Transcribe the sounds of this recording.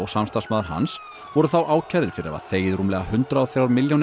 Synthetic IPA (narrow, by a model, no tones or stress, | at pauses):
ɔɣsamst̪asmaːðaɾ̥ɦa̰ns | vɔɾʏθawʔaːwcʰaðɪɾfɪɾɪɾɛ̰a̰θeːjðɾuːmlɛɣahʏnt̪ɾaɔθjaːwɾmɪljawn